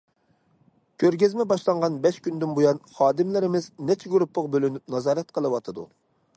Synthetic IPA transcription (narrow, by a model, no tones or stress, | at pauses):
kʲʰøɾɡʲɪzmɛbɑʃlˠɑɴʁɑnbɛʃkʲynd̪ynbujɑnχɑːd̪ɪmlɪɾɪmɪznɛt͡ʃʰɛɡuɾupʰːʊʁbølynyp̚nɑzɑːɾɛt̪̚qʰəlˠɨwɑt̪ʰɨd̪ṵ